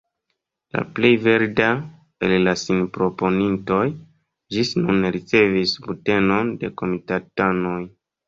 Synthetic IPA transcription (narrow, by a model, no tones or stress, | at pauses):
la̰ple̞jve̞ɾda | e̞llasinpɾo̞po̞ninto̞j | d͡ʒisnunɾit͡se̞visbute̞no̞nde̞ko̞mitatano̞j